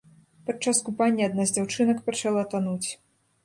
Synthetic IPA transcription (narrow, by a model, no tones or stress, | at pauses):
pat͡ʂaskupanʲːɛad̪nazd͡zʲawt͡ʂɨnɐkpat͡ʂalˠat̪anut͡sʲ